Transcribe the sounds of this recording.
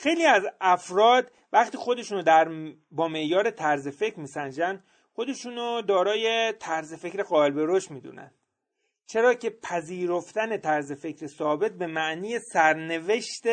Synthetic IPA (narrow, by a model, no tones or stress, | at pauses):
xe̞jliːæzæfɾɒːd̪ | væχt̪iːxo̞d̪e̞ʃuːnod̪æɾ | bɒːme̞ʔjɒːɾe̞t̪ʰæɾze̞fe̞cɾmiːsænd͡ʒænd̪ | xo̞d̪e̞ʃuːnod̪ɒːɾɒːje̞t̪ʰæɾzefe̞cɾeɣɒːelbe̞ɾoʃt̪miːd̪ṵːnæ̰nd̪ | t͡ʃʰe̞ɾɒːcʰe̞pʰæziːɾoft̪æne̞t̪ʰæɾze̞fe̞cʰɾesɒːbe̞t̪̚be̞mæʔniːje̞sæɾne̞ve̞ʃt̪e